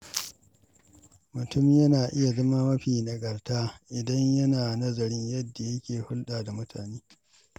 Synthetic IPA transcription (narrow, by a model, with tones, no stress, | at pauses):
mʊ˨tʊ˦m˦jɐ˦naː˨ʔɪ˦ja˨zɐ˦maː˦mɐ˦ɸiː˨na˨ɡɐ˨rtaː˦ʔɪ˨dɐ˦ɲjɐ˦naː˨nɐ˦zɐ˨ɾɪ˦ɲjɐ˦dːa˨jɐ˦kʲeː˨hʊ˦lɗaː˨da˨mʊ˦tʰa̰ː˨neː˦